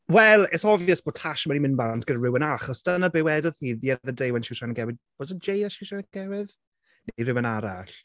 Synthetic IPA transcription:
wɛlˠɛsɔvɛsb̥ɔtʰaʃmanimɪnbantʰɡ̥ədrɪwənaχɔsd̥ənabɪwɛdɔðiðjɛðədejwɛnʃɪwʃanəɡɛwɪðb̥ɔsəd͡ʒejðaʃɪwʃanɡ̥ɛwɪð | nɾɪwənaɾaɬ

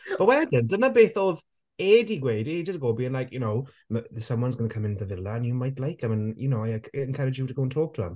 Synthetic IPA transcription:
b̥əwɛdɪndənabeːθɔð | eːdiɡweɪded͡ʒstɡ̥oːbiːə̃nlajkʰjɨnoʊ | məsʌ̃mwʌ̃nzɡʌnəkʰʌmɪ̃ntəvɪlˠaə̃njəmaɪtlaɪkə̃mə̃njənowaakʰə̃nkʰaɹɪd͡ʒjətʰəɡoʊə̃ntʰɔːk̚tʰuə̰̃m

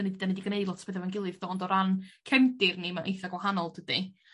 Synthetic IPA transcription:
nididanidiɡnejdlˠɔtʰbeðɛvanɡɪlˠɨvd̥oːndɔɾankʰɛmɡɪrnimaʔejθaɡwahanɔlˠd̥ədi

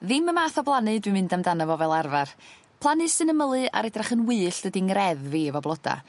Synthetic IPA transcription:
ðɪməmaːθɔblˠanɨdwɨmɪndamdanəvɔvɛlˠarvar | pʰlˠanɨsɨnəməlˠɨʔa̰ɾɛdraχənwɨːɬd̥ədiŋrɛðviəvɔblˠɔda̰

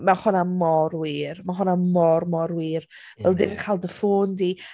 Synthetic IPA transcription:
maχʊnamɔɾwiːrmaχʊnamɔrmɔɾwiːr | vɛlˠdɪnkʰaːlˠdəfoːndi

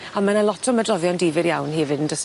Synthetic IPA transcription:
amanalˠɔtʰɔmədrɔvjɔndiːvɪɾjawnhiɛvɨdndəs

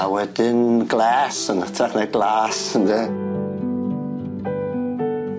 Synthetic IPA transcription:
awɛdɪnɡlˠɛːsənatʰaχneɡlˠaːsəndɛ

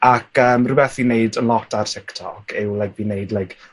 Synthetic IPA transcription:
akʰəːmrɨbɛθineɨdənlˠɔtʰartʰɪktʰɔkʰɪwlajk̚vinejdlajk

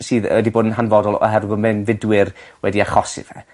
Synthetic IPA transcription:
siːðɛdiboːdənɦanvɔdɔlˠɔ̰ɦɛrwəmɛnvɪdwɪrwɛdiaχɔsɪ̰v̥hɛ̰

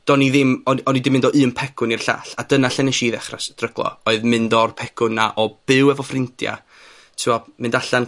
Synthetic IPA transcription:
d̥ɔniðɪmɔɔnidɪmːɪndɔʔɨːmpʰɛkʰʊnirɬa̰ːɬad̥ənaɬɛnɛʃiːðɛχrasd̥rəɡ̥lˠɔ̰ɔɨðmɨndɔrpʰɛkʰʊnːaʔɔb̥ɨwɛvɔfrɪntʰja̰ | tʰɪwɔmɨndaɬan

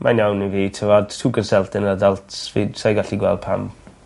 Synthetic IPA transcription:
manjawniviːtʰəvɔd̥tʰuːɡənsɛlˠtɛnəadalˠtʰvisajɡaɬiɡwɛlˠd̥̚pʰa̰m

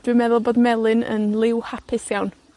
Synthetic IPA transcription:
d̥ɨːmɛðɔlˠboːd̪mɛlˠɪnə̰nlˠɪwhapʰɪsjawn

